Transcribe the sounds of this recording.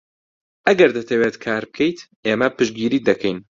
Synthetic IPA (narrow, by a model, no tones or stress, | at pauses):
ʔɐɡɐɾd̪ɐt̪ʰɐweːt̪kʰaːɾbɨkʰɛjt̪ʔeːmɐpɨʃɡiːɾiːd̪ɐkʰɛjn